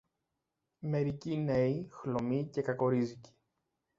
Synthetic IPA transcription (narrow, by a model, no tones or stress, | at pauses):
me̞ɾicine̞ixlo̞mice̞kɐko̞ɾizici̥